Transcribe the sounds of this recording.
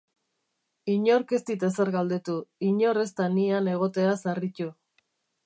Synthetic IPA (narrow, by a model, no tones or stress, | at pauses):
iɲo̞ɾkest̪it̪aseɾɣald̪e̞t̪uiɲo̞re̞st̪aniane̞ɣ̞o̞t̪e̞asaric̪u